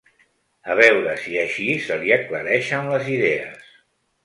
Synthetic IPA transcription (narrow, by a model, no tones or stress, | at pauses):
əβ̞ɛwɾəsiəʃisəliəkləɾɛʃənləziðɛə̰s